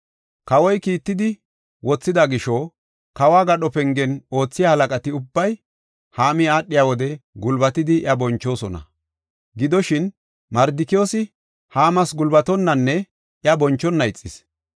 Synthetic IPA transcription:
kɐwɔjkiːt̪ːɪd̪ɪ | wɔt͡sːɪd̪aɡɪʃɔ | kɐwaːɡɐɗɔpɛŋɡɛno̞ːt͡sːɪjaːhɐlɐkʼɐt̪ɪʊbːɐj | haːmɪaːɗːɪjaːwɔd̪ɛɡʊlbɐt̪ɪd̪ɪjɐbɔnt͡ʃːo̞ːsɔnɐ̰ | ɡɪd̪ɔʃɪn | mɐɾd̪ɪkɪjoːsɪ | haːmɐsɡʊlbɐt̪ɔnːɐnːɛ | ʔjɐbɔnt͡ʃːɔnːɐɪt͡sʼːɪs

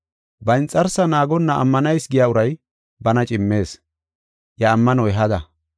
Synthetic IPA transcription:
bɐɪnt͡sʼːɐɾsɐnaːɡɔnːɐʔɐ̰mːɐnɐjsɡɪjaʊɾɐj | bɐnɐt͡ʃʼɪmːe̞ːs | jɐːmːɐnɔɛɦɐd̪ɐ

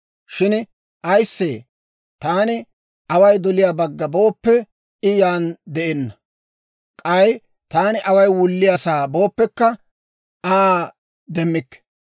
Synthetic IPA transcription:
ʃɪn | ʔɐjsːḛː | t̪aːnɪ | ʔɐwɐjd̪ɔlɪjaːbɐɡːɐbo̞ːpːɛ | ɪjaːnd̪ɛʔɛnːɐ | kʼɐj | t̪aːnɪʔɐwɐjwʊlːɪjasaːbo̞ːpːɛkːɐ | aː | d̪ɛmːɪkːɛ̥

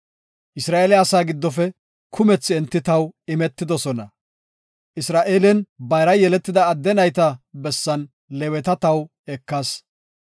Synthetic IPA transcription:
ʔɪsɾaːʔeːlɪɐsaːɡɪd̪ːɔfɛ | kʰʊmɛt͡sːɪɛnt̪ːɪt̪ɐwɪmɛt̪ːɪd̪ɔsɔnɐ | ʔɪsɾaːʔeːlɛnbɐjɾɐjɛlɛt̪ːɪd̪ɐːd̪ːɛnɐjt̪ɐbɛsːɐn | lɛwɛt̪ɐt̪ɐw | ɛkːɐs

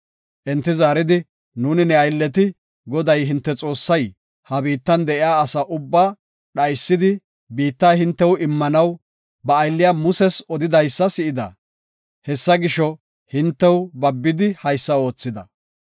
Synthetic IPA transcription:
ʔɛnt̪ːɪzaːɾɪd̪ɪ | nuːnɪnɛɐjlːɛt̪̬ɪ | ɡɔd̪ɐjɦɪnt̪ːɛt͡sʼo̞ːsːɐj | hɐbiːt̪ːɐnd̪ɛʔɪjaːsɐʔʊbːaː | ɗɐjsːɪd̪ɪ | biːt̪ːaːhɪnt̪ːɛwɪmːɐnɐw | bɐːjlːɪjamʊsɛsɔd̪ɪd̪ɐjsːɐsɪʔɪd̪ɐ̰ | hɛsːɐɡɪʃɔ | hɪnt̪ːɛwbɐbːɪd̪ɪhɐjsːɐo̞ːt͡sːɪd̪ɐ̰

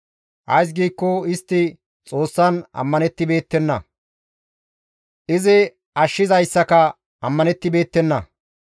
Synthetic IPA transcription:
ʔɐ̰js̬ɡiːkːɔɪst̪ːɪ | t͡sʼo̞ːsːɐnɐ̰mːɐnɛt̪ːɪbe̞ːt̪ːɛnːɐ̰ | ʔɪzɪ | ʔɐʃːɪzɐjsːɐkɐ | ɐmːɐnɛt̪ːɪbe̞ːt̪ːɛnːɐ

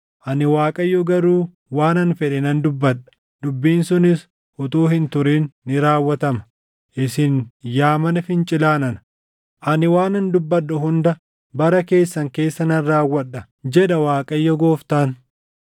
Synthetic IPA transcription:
ʔɐnɪwaːkʼɐjːɔɡɐɾuː | waːnɐnfɛᶑɛnɐnd̪ʊbːɐᶑɐ̥ | d̪ʊbːiːnsʊnɪs | ʔʊt̪uːhɪnt̪ʊɾeːnːɪɾaːwːɐt̪ɐmɐ̥ | ʔɪsɪnjaːmɐnɐfɪnt͡ʃʼɪlaːnɐn | ʔɐnɪwaːnɐnd̪ʊbːɐɗːʊɦʊnd̪ɐ | bɐɾɐke̞ːsːɐŋke̞ːsːɐnɐnrːaːwːɐᶑːɐ | d͡ʒɛᶑɐwaːkʼɐjːɔɡo̞ːft̪aːn

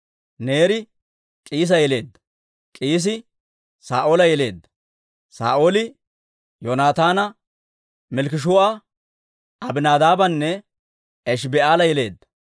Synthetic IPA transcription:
neːɾɪ | kʼiːs̬ɐjɛle̞ːd̪ːɐ̥ | kʼiːs̬ɪ | saːʔoːlɐjɛle̞ːd̪ːɐ̥ | sa̰ːʔoːlɪ | jonaːt̪aːnɐ | mɛlkɪʃ̬ʊɐ | ʔɐbɪnaːd̪aːbɐnːɛ | ɛʃ̬bɛʔaːlɐjɛle̞̰ːd̪ːɐ̥

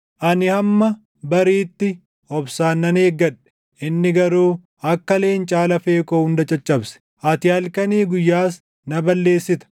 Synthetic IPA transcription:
ʔɐnɪhɐmːɐ | bɐɾiːt̪ːɪ | ɔbsaːnːɐneːɡːɐᶑɛ̥ | ʔɪnːɪɡɐɾuː | ɐkːɐle̞ːnt͡ʃʼaːlɐfe̞ːkoːhʊnd̪ɐt͡ʃʼɐt͡ʃʼːɐbsɛ̥ | ʔɐt̪ɪɐlkɐniːɡʊjːaːs̬ | nɐbɐlːe̞ːsːɪt̪ɐ̥

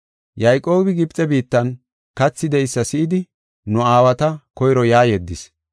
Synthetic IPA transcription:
jɐjkʼːo̞ːbɪɡɪbt͡sʼːɛbiːt̪ːɐn | kɐt͡sːɪd̪ɛjɪsːɐsɪʔɪd̪ɪ | nʊaːwɐt̪ɐkɔjɾɔjaːjɛd̪ːɪs

